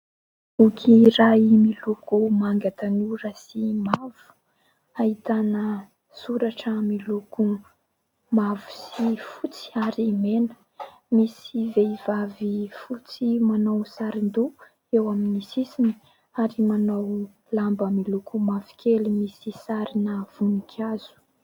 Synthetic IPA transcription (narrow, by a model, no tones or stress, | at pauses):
ukʰiɾaimilukumaŋɡat̪anuɾasimav̥u̥ | ahit̪anə | suɾaʈ͡ʂəmiluku | mavu̥sifut͡si̥aɾimenə̥ | misiveivavifut͡simanawsaɾind̪u | ewaminisisini̥ | aɾimanaw | lambəmilukumavi̥kʲʰelimisisaɾinəv̥unikʲʰaz̥u̥